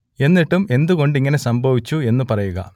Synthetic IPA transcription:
e̞nːiʈːume̞nd̪uɣo̞ɳɖiŋːɐne̞sɐmbʱɐʋit͡ɕːue̞nːupɐrɐjuɣɐ̰

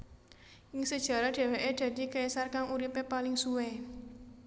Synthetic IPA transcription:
ʔɪŋsəd̥ʒ̥ä̤ɾaɖ̥e̤weʔeɖ̪̥a̤d̪̥i̤kaisarkaŋuɾipepalɪŋsuwe

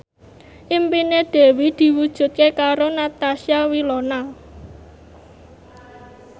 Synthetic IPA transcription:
ʔimpineɖ̪̥e̤wid̪̥i̤wud̥ʒ̥ṳt̪̚kekaɾonat̪asiawilona

